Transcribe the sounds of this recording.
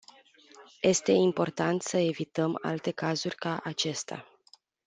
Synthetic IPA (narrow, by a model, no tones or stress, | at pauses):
je̞st̪e̞impo̞rt̪ant̪səe̞vit̪əma̰lt̪e̞kazurʲkaʔat͡ʃe̞st̪a̰